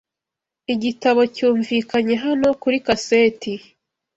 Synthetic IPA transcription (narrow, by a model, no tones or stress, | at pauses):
iɟitaβo̞cuːɱviːkaɲe̞ɦano̞kuɾikaseːti